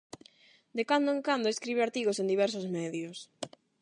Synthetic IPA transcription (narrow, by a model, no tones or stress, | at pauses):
d̪ekand̪oeŋkand̪oeskɾiβeaɾt̪iɣ̞osend̪iβɛɾs̬ozmɛðjʊs